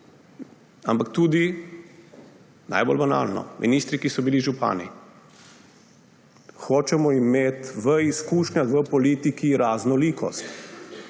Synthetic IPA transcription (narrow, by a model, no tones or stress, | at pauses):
ampakt̪uːd̪i | na̰ːjbɔ̰lbana̰ːlnɔ̰mʔḭniːst̪ɾikisɔbiliʒupa̰ːnḭ | xoːt͡ʃɛmɔimeːt̪ʋəiskuːʃnʲaɣʋəpɔliːt̪ikiɾaːznɔliːkʰɔ̰st̪